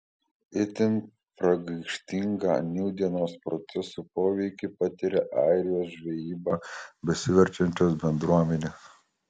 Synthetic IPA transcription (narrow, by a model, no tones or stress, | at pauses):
ɪt̪ʲɪn | pɾɐɡɐɪkʃʲt̪ʲɪŋɡɑ̰ːnʲɛʊd̪ʲiɛnoːspɾɔt̪sʲɛsupoːʋʲɛɪkʲɪpɐt̪ʲɪɾʲɛʔɑˑɪɾʲɪjoːsʒʲʋʲɛjiːbɑbʲɛsʲɪʋʲɛɾʲt͡ʃʲɛnʲt͡ʃʲoːsbʲɛnd̪ɾuɔmʲɛnʲeːs